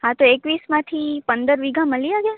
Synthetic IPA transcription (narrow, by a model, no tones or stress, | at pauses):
ɦat̪oekʋismãt̪ʰipənd̪əɾʋiɡʱãməliaɡja